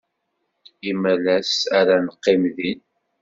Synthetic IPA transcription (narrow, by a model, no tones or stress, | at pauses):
imælæsaɾanəqːɪmðin